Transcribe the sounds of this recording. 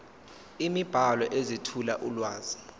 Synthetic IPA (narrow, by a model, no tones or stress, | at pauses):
imib̥ʱalɔʔezitʰulaʔulwaːzi